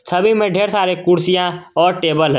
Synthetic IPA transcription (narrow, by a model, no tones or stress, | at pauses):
səbʱimẽɖʱeːɾsaːɾekʊɾsijãɔːɾʈeːbəlɦ